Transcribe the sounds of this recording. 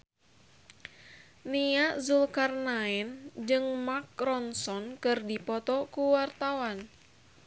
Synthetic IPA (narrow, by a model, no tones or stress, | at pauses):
niaʔzulkarnaɛnd͡ʒɨŋmak̚rɔnsɔnkɨrdipɔt̪ɔkuwart̪awan